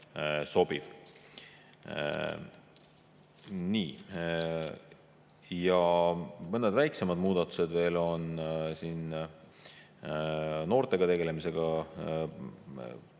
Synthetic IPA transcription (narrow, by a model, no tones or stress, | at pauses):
so̞b̥iv̥ | niː | jɑmɤnːed̪væjkse̞mɑd̪̥muːd̪̥ɑt̪ːˑu̥se̞d̪̥ve̞ːlo̞nsiːn | no̞ːrt̪e̞ɡ̥ɑt̪e̞ɡe̞le̞mise̞ɡ̥ɑ